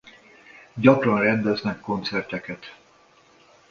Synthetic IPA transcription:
ɟɒkrɒnrɛnd̪ɛznɛkːo̞nt̪sɛrt̪ɛkɛt̪

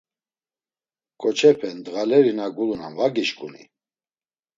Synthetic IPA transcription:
kʼɔt͡ʃʰɛpʰɛnd̪ɣalɛɾinaɡuluna̰nvaɡiʃkʼunḭ

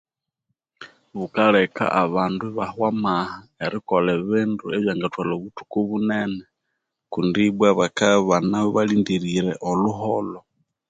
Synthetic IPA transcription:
βukalɛka̰ʔaβanduiβahwamahaɛɾikɔlɛβɪnduɛβjaŋɡatwalɔβutu̥kuβunɛnɛ | kundibwaβakaβanaɔβalindiɾiɾɛʔɔluɦɔlɔ

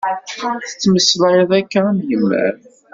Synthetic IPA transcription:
θə̥t͡sːməsleðˤækːænjəmːæ̰ɾ

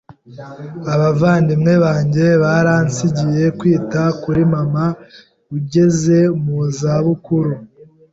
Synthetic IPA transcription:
aβavaːndimŋe̞βaːɲɟe̞βaɾansiɟije̞kwiːtakuɾimama | uɟe̞ze̞muzaβukuɾu

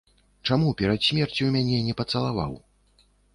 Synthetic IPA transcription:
t͡ʂamupʲɛɾat̪sʲmʲɛrt͡sʲuwmʲanʲɛnʲɛpɐt̪sɐlˠava̰w

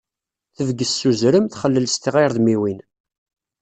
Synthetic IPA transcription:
θəvɡəsːuzɾəmθχəlːəlst̪iʁiɾðmiwin

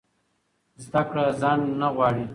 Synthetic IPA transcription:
zd̪akɽazɑnːaɣwɑɽi

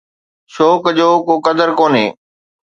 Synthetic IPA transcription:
ʃoːkd͡ʑoːkokɐd̪əɾkoːneː

